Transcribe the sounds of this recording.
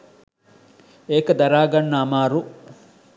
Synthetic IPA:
eːkɐd̪ɐɾaːɡɐnːɐːmaːɾu

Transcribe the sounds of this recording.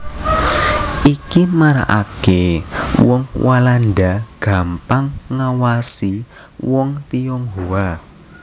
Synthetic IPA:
ʔikimaɾa̰ʔakewɔŋwʔalanɖaɡ̥a̤mpaŋːawasi | wɔŋt̪ijɔŋɦoa

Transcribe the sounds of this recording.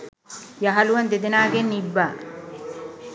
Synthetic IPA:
jɐɦɐluʋɐnd̪ed̪enaːɡenːibːaː

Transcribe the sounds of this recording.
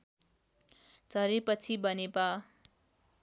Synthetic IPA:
d͡zʱʌɾepʌt͡sʰibʌnebʌ

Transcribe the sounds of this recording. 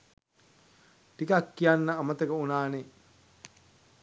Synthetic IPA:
ʈikakːijanːəamət̪əkəunaːne

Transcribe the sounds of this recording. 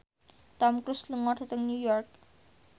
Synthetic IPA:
t̪ɔmkɾusləŋɔʈʰat̪əŋnjujɔrk̚

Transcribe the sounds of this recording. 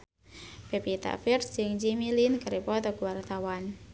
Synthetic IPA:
pepit̪a̰ʔfird͡ʒɨŋd͡ʒimilinkəɾepɔt̪ɔɡuwart̪awan

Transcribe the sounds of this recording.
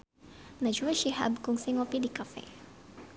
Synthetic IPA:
nad͡ʒuaʃiha̰bkʊŋsiŋopid̪ikafɛ̰

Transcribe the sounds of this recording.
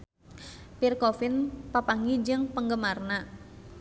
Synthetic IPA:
pirkofɪnpapaŋid͡ʒɨŋpəŋɡəmarna

